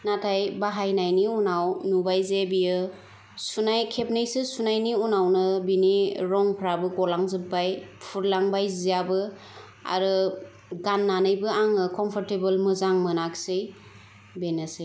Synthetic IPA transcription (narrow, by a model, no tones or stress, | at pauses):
natʰajbaɦajnajniunawnubajzebijɯ | sunajkʰepnejsɯsunajniunawnɯbiniɾɔŋpʰɾabɯɡɔlaŋzɯpːajpʰuɾlaŋbajzijabɯ | a̰ɾɯ | ɡanːanɯjbɯaŋɯkɔmpʰɔɾtebɯlmɯzaŋmɯnaksɯj | benasej